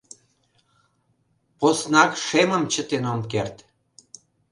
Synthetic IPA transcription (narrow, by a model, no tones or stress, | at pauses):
posnɑkʃeməmt͡ɕət̪enomkert̪